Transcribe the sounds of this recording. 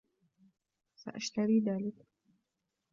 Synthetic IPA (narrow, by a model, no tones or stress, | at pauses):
sa̰ʔaʃt̪aɾiːðaːlɪk